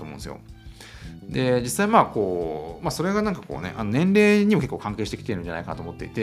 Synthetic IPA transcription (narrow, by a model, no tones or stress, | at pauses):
tomõñsjo̰ | d̪e̞d͡ʑisːaimaːko̞ːmaːso̞ɾe̞ɡanãŋkḁko̞̰ːnḛʔano̞nẽ̞nɾe̞ːɲ̟imoke̞kːoːkãŋkeːɕi̥t̪ekʲi̥t̪eɾɯ̟ɲd͡ʑanaikanat̪oːmo̞t̪ːe̞̰it̪e̞